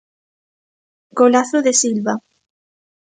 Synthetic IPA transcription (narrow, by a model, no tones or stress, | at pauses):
kolaθoðesilβa